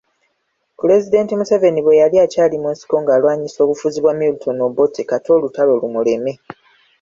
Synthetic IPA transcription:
pule̞zide̞ːntimuseve̞niβwe̞jaliacaːlimwensi̥ko̞ŋɡaːlwaːɲiso̞ːkufuziβwamilutʰo̞no̞bo̞tikato̞ːlutalo̞lumule̞me̞

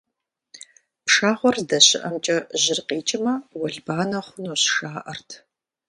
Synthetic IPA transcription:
pʂaːχʷɔrdɐɕɪʔɐmt͡ʃʼɐʑɪrqiːt͡ʃʼɪmɐwɐɮbaːnɐχʷʊnoːɕʃaːʔɐrtʰ

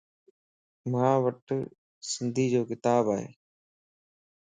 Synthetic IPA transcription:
mãːʋəʈ | sɪnd̪ʱiːd͡ʒoːkɪt̪aːbaːɦḛː

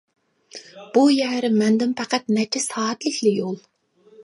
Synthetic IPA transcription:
b̥ujɛɾɪmɛnd̪ɪmpʰæqæt̪̚nɛt͡ʃʰɛsɑːt̪lɪkʲlɪjolˠ

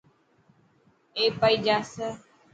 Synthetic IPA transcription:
eːpəid͡ʒaːsə

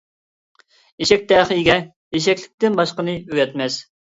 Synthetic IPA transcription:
eʃɛk̚ʲt̪ɛːχəjɡʲɛ | eʃ̬ɛkʲlɪkʲt̪ɪnbɑʃqənɨøɡʲɛt̪mɛs

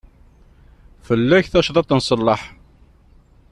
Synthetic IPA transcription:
fəlːæçθæʃðˤɑt̪ˤːənsˤəlːɑħ

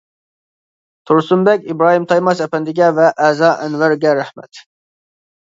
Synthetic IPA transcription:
t̪ʰuɾsumbɛkʲibɾɑːɦimt̪ʰɑjmɑsɛpɛnd̪ɪɡʲɛvɛʔɛːzɑʔɛnvæɾɡʲɛɾɛhmɛ̰t̪

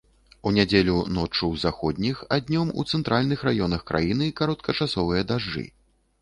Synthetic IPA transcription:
unʲad͡zʲelʲunɔt͡ʂɨwzaxɔd̪ʲnʲixad̪ʲnʲɔmṵt̪sɛnt̪ɾalʲnɨxrajɔnɐxkɾa̰jinɨkaɾɔt̪̚kʰɐt͡ʂasɔvɨjɐd̪aʐːɨ̰

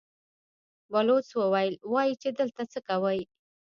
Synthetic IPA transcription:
walot͡swəwajəlwɑjit͡ʃed̪əlt̪at͡səkawəj

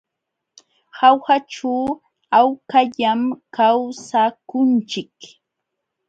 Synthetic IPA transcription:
hawhaʈ͡ʂaw | awkaʎamkawsakʊnt͡ʃɪk

